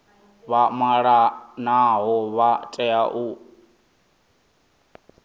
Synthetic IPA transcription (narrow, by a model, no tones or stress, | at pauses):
βamaɺanaɦɔβatʼɛaʔu